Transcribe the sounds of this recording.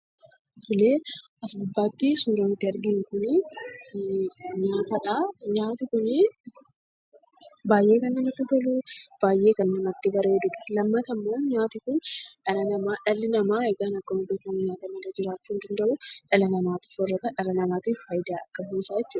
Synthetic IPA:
t̪ʊleːʔɐsbʊbːaːt̪ːɪsuːɾont̪ːɪɐɾɡɪŋkʊnɪ | ɲaːt̪ɐᶑaːɲaːt̪ɪkʊnɪ | baːjʔe̞ːkɐnːɐmɐt̪ːɪɡɐluːb̥aːjʔe̞ːkɐnːɐmɐt̪ːɪbɐɾeːd̪ʊᶑɐ̥lɐmːɐt̪ɐmːo̞ːɲaːt̪ɪkʊnᶑɐlɐnɐmaːᶑɐlɪnɐmaːɛɡaːnɐkːɐmʊd̪ufɐnɲaːt̪ɐmɐd̪ɐd͡ʒɪɾaːt͡ʃːuːnd̪ɐnd̪ɐʔʊᶑɐlɐnɐmaːt̪ɪ̥fɔrːɐt̪ɐᶑɐlɐnɐmaːt̪iffɐjd̪aːɐkːɐbuːsaːjɛt͡ʃːuːᶑɐ̥

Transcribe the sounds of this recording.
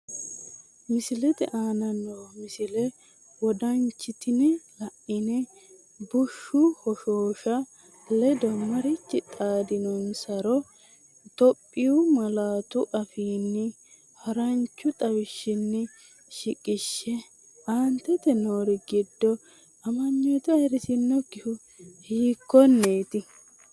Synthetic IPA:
mɪsɪlɛt̪ɛʔaːnɐnoːmɪsɪlɛ | wɔd̪ɐnt͡ʃːɪt̪ɪnɛlɐʔɪnɛ | bʊʃːʊhɔʃoːʃɐ | lɛd̪ɔmɐɾɪt͡ʃːɪt̪ʼaːd̪ɪnɔnsɐɾɔ | t̪ɔpʼːɪjʊmɐlaːt̪ʊʔɐfiːnːɪ | hɐɾɐnt͡ʃːʊt̪ʼɐwɪʃːɪnːɪ | ʃɪkʼɪʃːɛ | ʔant̪ːɛt̪ɛnoːɾɪɡɪd̪ːɔ | ɐmɐɲːɔjt̪ɛɐjɾɪsɪnːɔkɪhʊ | hiːkːɔnːeːt̪ɪ

